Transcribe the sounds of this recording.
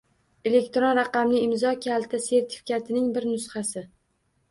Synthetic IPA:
e̞le̞kʲt̪ɾonɾɑqɑmnɪɪmzɒkʲʰalt̪ʰɪse̞ɾt̪ʰɪ̥fɪ̥kʲat̪ʰɪnɪŋbɪɾnʊsχasɪ

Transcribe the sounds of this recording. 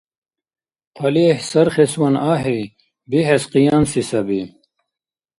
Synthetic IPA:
qʰɐlihsɐɾχeswɐnaːɦi | biɦesqijaːmsisɐbi

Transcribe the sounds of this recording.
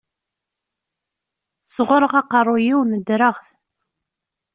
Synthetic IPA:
sʁʊɾəʁɑqɑrˤːʊjiwnəd̪ɾəʁθ

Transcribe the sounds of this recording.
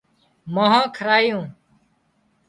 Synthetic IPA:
məɦãːkʰəɾaːjũː

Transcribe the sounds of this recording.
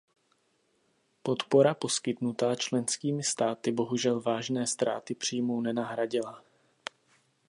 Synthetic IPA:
po̞t̪po̞ɾapo̞skɪt̪nut̪aːt͡ʃlɛnskiːmɪst̪aːt̪ɪbo̞ɦuʒɛlvaːʒnɛːst̪ɾa̰ːt̪ɪpr̝̥iːmownɛnaɦɾaɟɪla

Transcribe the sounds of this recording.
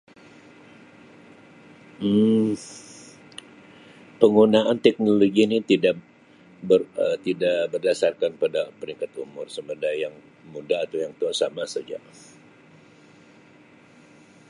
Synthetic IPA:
m̩ | pəŋunaʔant̪ɛk̚noloɡinit̪ida | bəət̪idaʔbərdasarkanpadapəɾiŋkat̪umʊrsəmədajjaŋ | mudaːt̪awjaŋt̪ənsamasad͡ʒa̰ʔ

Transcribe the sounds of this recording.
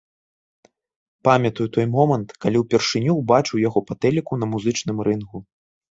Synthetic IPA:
pamʲɐt̪ujut̪ɔjmɔmɐnt̪kalʲiwpʲɛrʂɨnʲuwbat͡ʂɨwjaɣɔpat̪ɛlʲikunɐmuzɨt͡ʂnɨmɾɨnɣu

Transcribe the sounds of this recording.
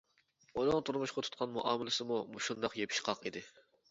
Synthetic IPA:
unɨŋt̪ʰuɾmuʃqɑt̪ʰu̥t̪̚qʰɑnmuʔɑːmɪlɪsɨmumuʃund̪ɑqjepʰi̥ʃqʰɑqid̪ɪ

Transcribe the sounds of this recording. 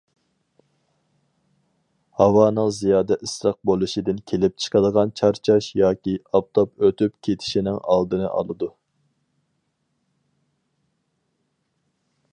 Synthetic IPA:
hɑwɑːnɨŋzijɑːd̪ɛʔisɾɑq̚bolˠɨʃid̪ɪnkʲʰelɪp̚t͡ʃʰə̥qʰɑd̪əʁɑnt͡ʃʰɑɾt͡ʃʰɑʃjɑːkʲiɑp̚t̪ʰopøt̪ʰypkʲʰet̪ʰɪ̥ʃinɪŋɑ̰lˠd̪ɨnɨ̰ʔɑ̰lˠɨd̪u

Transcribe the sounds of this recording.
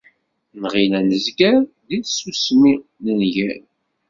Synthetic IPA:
nʁilænəzɡæɾ | ðisusminənʝæn

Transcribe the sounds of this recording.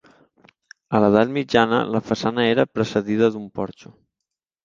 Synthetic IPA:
ələðat̪mid͡ʒanə̰ləfəsanəeɾəpɾəsəðiðəðumpɔɾt͡ʃu

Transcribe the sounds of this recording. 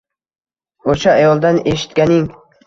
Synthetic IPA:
oʃaːjɒlˠd̪ane̞ʃɪ̥t̪kʲanɪŋ

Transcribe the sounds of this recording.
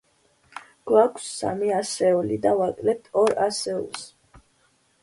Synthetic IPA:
ɡ̥wakʰsːa̰miasɛɔlid̪avakʼlɛp̚t̪ʰɔɾasɛṵlˠs

